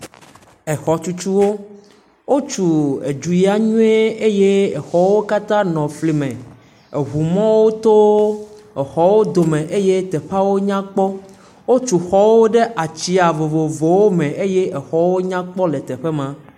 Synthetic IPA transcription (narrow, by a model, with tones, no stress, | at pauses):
ɛ˨xɔ˨t͡ʃu˦t͡ʃu˦wo˦ | wo˦t͡ʃu˨e˨d͡ʒu˨ji˦a˦ɲũ˦e˦e˦je˦e˨xɔ˦wo˦ka˦t̪ã˦nɔ̃˨fli˨mɛ̃˨ | e˨ɦu˨mɔ̃˦wo˦t̪o˦ | e˨xɔ˦wo˦d̪o˨mẽ˨ʔe˦je˦t̪ɛ˨ɸa˦wo˦ɲã˦k͡pɔ˦ | wo˦t͡ʃu˨xɔ˦wo˦ɖe˦ʔa˨t͡ɕi˦a˨vo˨vo˨vo˨wo˦mẽ˨ʔe˦je˦ʔe˨xɔ˦wo˦ɲã˦k͡pɔ˦le˨t̪ɛ˨ɸe˦mã˨